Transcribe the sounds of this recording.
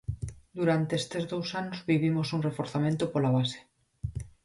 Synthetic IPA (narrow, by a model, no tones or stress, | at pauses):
d̪uɾant̪eest̪ezðowsanozβiβ̞imosunrefoɾθamẽnt̪opolaβ̞ase̥